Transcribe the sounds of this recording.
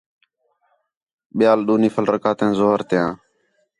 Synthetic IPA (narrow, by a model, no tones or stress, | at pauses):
ɓɪjaːlɗuːniːfʰəlɾəkaːt̪ẽːzoːɦəɾt̪ɪjãː